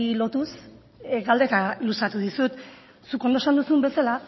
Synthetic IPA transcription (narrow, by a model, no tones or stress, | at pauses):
ilo̞t̪us | ɡald̪e̞t̪ailusat̪uðisut̪ | suko̞nd̪osand̪usumbe̞sala